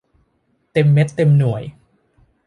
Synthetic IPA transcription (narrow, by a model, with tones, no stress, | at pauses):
t̪e˧mːe˦˥t̪ːe˧mnu˨˩əj